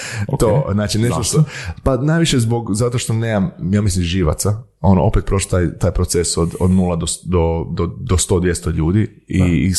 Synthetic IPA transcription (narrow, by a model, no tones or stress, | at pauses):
t̪oznaːt͡ʃinet̪oʃt̪opanajʋiʃezbo̞ɡzat̪o̞ʃt̪o̞neːmamjaːmislimʒiʋa̰t̪sa | o̞noʔo̞pet̪̚pɾoʃlot̪ajt̪aːjpɾot̪sesod̪od̪nuːlad̪od̪od̪od̪ost̪o̞ːd̪ʋjest̪oʎuːd̪i | i